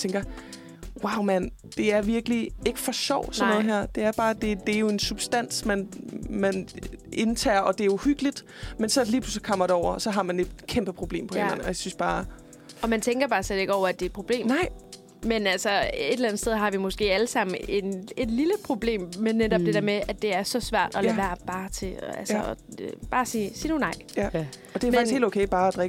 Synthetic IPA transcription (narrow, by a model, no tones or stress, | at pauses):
t͡sʰeŋɡ̥ɐ | wɑ̈ʊmæn | d̥e̝æɐʋiɐɡ̥əlie̝ɡ̥ə̥fɒ̽ɕɒʊ̰sɒ̽nɔð̩ˠɦeɐ̰d̥e̝æɐb̥ɑ̈ːd̥e̝d̥e̝æjo̝e̝nsub̥sd̥æn̰smænmæne̝nt͡sʰɛ̰ːɐɒ̽d̥e̝æuhyɡ̥əlid̥ | mensɒ̽liːpʰlysl̩kʰɒ̽m̰ɐd̥e̝ɒʊ̰ɐɒ̽sɒ̽ɦɑ̈mæne̝d̥kʰemb̥əpʰʁo̝b̥le̝̰ːmpʰɒ̽elæn̩ɒ̽jasynsb̥ɑ̈ː | ɒ̽mænt͡sʰeŋɡ̥ɐb̥ɑ̈ːsled̥e̝ɡ̥əɒʊ̰ɐæd̥e̝̥ːpʰʁo̝b̥le̝̰ːmɑɪ̰ | menælsɒe̝d̥elænð̩st̪eð̞ˠɦɑ̈ʋimɔ̽sɡ̥e̝̰ːæləsɑ̈m̰n̩ened̥liləpʰʁo̝b̥le̝̰ːmːenːed̥ɒ̽b̥̚d̥e̝d̥eɐmeʔæd̥e̝æɐsɒ̽sʋæɐ̰d̥ɒ̽lɛʋæɐ̰b̥ɑ̈ːt͡sʰe̝ælsəɒb̥ɑ̈ːsiːsiːnunɑ̈ɪ̰jæ | ɒ̽d̥e̝æfm̥isɡhḛloʊkʰeɪb̥ɑ̈ːæd̥ʁɛɡ̥ə